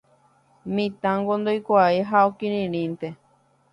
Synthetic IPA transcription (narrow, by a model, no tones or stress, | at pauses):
mĩt̪ãŋɡond̪ojkʷaiɦaokĩɾĩɾ̃ĩnt̪e